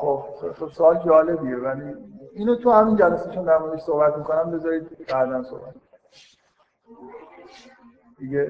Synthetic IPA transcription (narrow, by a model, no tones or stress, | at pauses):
xobexebsoɒːld͡ʒɒːle̞bievæliinot̪ʰuhæmind͡ʒælæseʃund̪æɾmneveʃsohbæt̪mikonæmbe̞zɒɾiːd̪̚bæd̪ænso̰hbæt̪̚ini | d̪̥iɡe